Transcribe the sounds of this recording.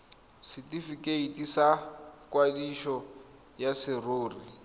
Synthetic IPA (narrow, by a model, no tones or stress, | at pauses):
sɪtifikʼeitʼisakwadiʃɔ | jasɪroːri